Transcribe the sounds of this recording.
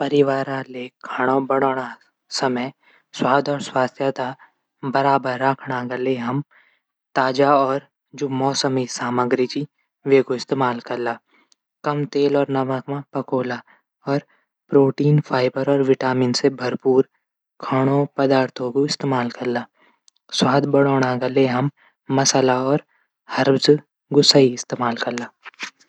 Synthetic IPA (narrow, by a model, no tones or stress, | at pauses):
pɐɾɪʋaːɾãlekʰaɽ̃õbɐɽoːɽ̃a | sɐməj | swaːd̪ɔːɾswaːst̪ʰjat̪a | bɐɾaːbəɾːaːkʰɽaɡɐleɦɐm | t̪aːd͡ʒaɔːɾ | d͡ʒoːmɔːsəmisaːməɡɾɪd͡ʒi | ʋeːɡoɪst̪eːmaːlkɐɾlaː | kɐmt̪eːlɔːɾnɐʋakmãpɐkoːla | ɔːɾ | pɾoːʈiːnfʰaːɪbəɾɔːɾʋɪʈaːminsebʱɐɾpuːɾ | kʰaɽ̃õpɐd̪aːɾt̪ʰokoɪst̪eːmaːlkɐɾlaː | swaːd̪bɐɽoːɽ̃aɡɐleɦɐmː | ɐsəlaɔːɾ | hɐɾbz | ɡʊsaiɪst̪eːmaːlkɐɾlaː